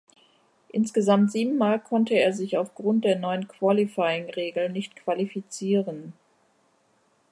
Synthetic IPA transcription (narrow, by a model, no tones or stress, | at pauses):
ʔɪnsɡ̥əzamtz̥iːbm̩ːaːlkʰɔntəeːɐzɪçaʊfɡ̥ʁʊnt̚d̥eːɐnɔʏənkv̥alifaɪɪŋʁeːɡl̩nɪçtkv̥alifit͡siːʁən